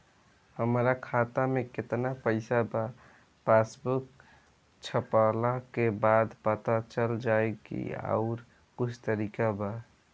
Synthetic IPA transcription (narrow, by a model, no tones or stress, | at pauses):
həmɾakʰat̪ameket̪napəɪsaba | pasbuk | t͡ʃʰəpəlakebad̪pət̪at͡ʃəld͡ʒaekḭa̰ʊɾ | kut͡ʃʰt̪əɾikaba